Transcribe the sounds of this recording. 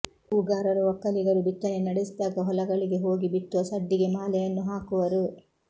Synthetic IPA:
uːɡaːɾɐɾuʋɐkːɐliɡɐɾubit̪ːɐnenɐɽesd̪aːɡɐɦɔlɐɡɐɭiɡe̞ɦo̞ːɡibit̪ːuʋɐsɐɖːiɡe̞maːlɛjɐnːuɦaːkuʋɐɾu

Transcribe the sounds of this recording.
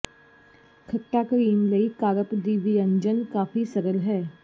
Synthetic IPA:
kʰɐʈːakɾiːmlɐikaːɾəpd̪iːʋiɐ̃ɲd͡ʒənkaːfisɐɾəlɦɛː

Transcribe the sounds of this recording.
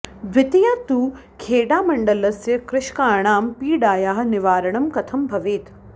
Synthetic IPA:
bɪt̪ijaːt̪uː | kʰeːɖaːmɐ̃ɳɖɐlɐsjɐkɾɪʃkaːɽ̃aːmpiːɖaːjaːɦɐ̆nɪʋaːɾɐɳ̃ɐmkɐt̪ʰɐmbʱɐʋeːt̪ʰ

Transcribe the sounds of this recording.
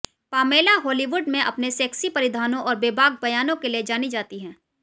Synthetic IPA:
paːmeːlaɦɔːliʋʊɖmẽʔɐpnesɛːksipɐɾɪd̪ʱaːnõʔɔːɾbeːbʱaːɡ̚bɐjaːnõkelied͡ʒaːnid͡ʒaːt̪iɦɛ̃ː

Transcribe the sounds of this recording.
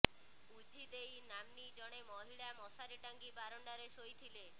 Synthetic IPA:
ud͡ʒʱid̪ejnamnid͡ʒɔɽ̃emɔɦiɭamɔsaɾiʈaŋɡibaɾɔɳɖaɾesojt̪ʰile

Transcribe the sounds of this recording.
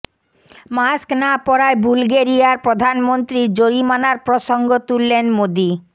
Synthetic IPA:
masknapɔɾaebulɡeɾijaɾpɾod̪ʱanmont̪ɾiɾd͡ʑoɾimanaɾpɾoʃoŋɡot̪ulːenmod̪i

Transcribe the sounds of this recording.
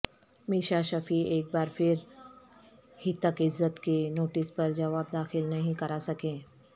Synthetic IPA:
miːʃaʃɐfieːk̚baːɾfʰɪɾ | hit̪ːɐkɪzːət̪kenoːʈɪspɐɾd͡ʒɐʋaːb̚d̪aːxɪlnɐɦĩkɐɾasɐkẽː

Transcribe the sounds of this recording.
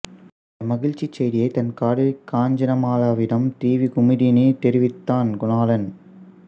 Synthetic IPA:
ɐmɐɣɪɻt͡ʃːit͡ʃːɐjðɪjɐɪt̪ɐnkaːɽɪɪkːaːɲd͡ʒɐnɐmaːlaːʋɪɽɐmt̪iːʋikʊmɪðinit̪ɛɾɪʋɪt̪ːaːnɡʊnaːlɐn

